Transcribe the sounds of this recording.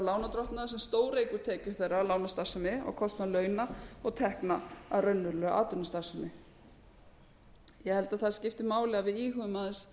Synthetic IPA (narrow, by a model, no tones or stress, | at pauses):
laːwnat̪ɾɔht̪naðasɛmst̪oːwɾejkʏɾ̥t̪ʰɛːcʏɾ̥θejrːalaːwnast̪asʏmɪɔ̰ɣkʰɔst̪nalœːɥnaɔɣt̪ʰɛhknaa̰rœnːʏlœʔa̰ːt̪ʏnast̪asʏmɪ | jɛhɛlt̪aðθaðscɪft̪ɪmaːwlɛɣavɪðiːɦʏːʏmaðɪs